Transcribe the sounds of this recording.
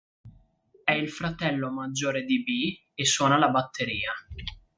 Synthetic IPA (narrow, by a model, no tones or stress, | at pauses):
ɛilfɾat̪ɛlːomad͡ʒːoːɾed̪ibi | esːwɔːnalabat̪ʰːeɾiːa